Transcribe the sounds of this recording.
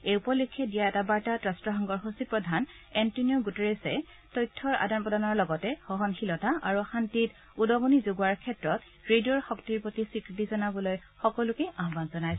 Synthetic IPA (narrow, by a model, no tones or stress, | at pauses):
ejupɔlukʰːɛdijaɛtabaɹtatɹastɹɔxɔŋɡɔɹɦosipɹɔdʱan | ɛntunioɡutɔɹesɛ̰ | tɔjtʰːɔɹa̰danpɹɔdanɔɹlɔɡɔtɛxɔɦɔnxilɔtaʔa̰ɹuxantit | udɔɡonizoɡaɹkʰɛtɹɔt | ɹediɔɹxɔktiɹpɹotisikɹitizɔnabɔloj | xɔkɔlukɛʔaɦbanzɔnajs